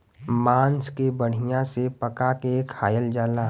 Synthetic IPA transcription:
maːnskebəɽ̤ijãsepəkakekʰaːjəld͡ʒaːlaː

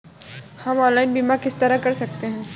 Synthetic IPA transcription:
hɐmɔ̃ːnlaɪnbiːmakɪst̪ɐɾakɐɾsɐk̚t̪eɦɛ̃ː

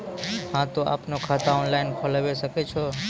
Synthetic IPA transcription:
hãt̪oʔa̰pnokʰat̪ʰaɔnlainfʰəlʋeʃəket͡ʃʰo

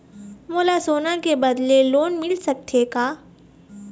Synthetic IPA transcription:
moːlasoːnakebɐd̪leloːnmɪlsɐk̚t̪ʰekaː

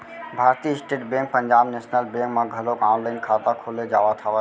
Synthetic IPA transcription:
bʱaːɾt̪iɪsʈeːʈbẽŋk̚pəɲd͡ʒaːbneːsnəlbẽŋkmãɡʱəlokãːnləɪnkʰaːt̪akʰoled͡ʒawat̪ʰaə

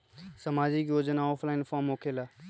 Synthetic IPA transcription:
səmaːd͡ʒikjod͡ʒnaɔːpʰlaɪnpʰamokʰela

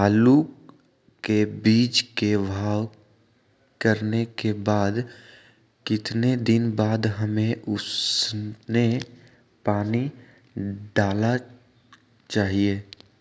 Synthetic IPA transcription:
aːlu | kebiːt͡ʃkebʱaːw | kəɾnekebaːd̪ | kɪt̪ned̪ɪnbaːd̪ɦəmẽʔʊs | ne | paːni | ɖaːla | t͡ʃaːɦieː

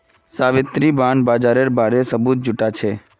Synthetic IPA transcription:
saːʋɪt̪ɾibaːnbaːd͡ʒaːɾeɾbaɾesəbut̪̚d͡ʒʊʈat͡ʃʰe

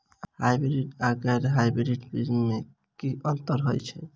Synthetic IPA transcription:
hajbɾiʈaɡəɾɦajbɾiʈpizmːe | kiənt̪əɾɦojt͡ʃʰɛ

